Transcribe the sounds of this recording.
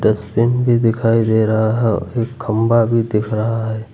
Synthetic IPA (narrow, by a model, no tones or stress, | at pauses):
ɖɛspɪnbʱid̪ɪkʰaːid̪eːɾɐɦaɦɛɔ̰eːkːʰɐ̃mbabʱid̪ɪkʰɾɐɦaɦɛː